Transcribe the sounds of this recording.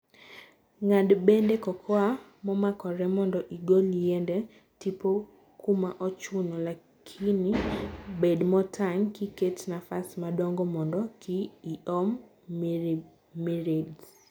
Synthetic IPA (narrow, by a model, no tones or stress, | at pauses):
ŋadbendekɔkʰɔa | mɔmakɔɾɛmɔndɔʔiɡoliendɛ | tipo | kumaʔɔt͡ʃunɔla | kʰinibedmɔtʰaŋkiketnafasmadɔŋɡɔmɔndɔkɪːʔɔm | miɾed